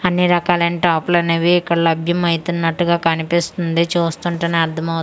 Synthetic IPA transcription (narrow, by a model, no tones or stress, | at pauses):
ɐnːiɾɐkaːlɐniʈaːplɐneʋiːkːɐɽɐlɐbʱjɐmɐjt̪unːɐʈːuɡaːkɐnipist̪und̪et͡ʃuːst̪uɳʈɐneɐɾd̪ʰʱɐmɐw